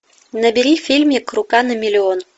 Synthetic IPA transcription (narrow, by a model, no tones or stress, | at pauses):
nɐbʲɪɾʲifʲilʲmʲikrʊkanɐmʲɪlʲɪɔn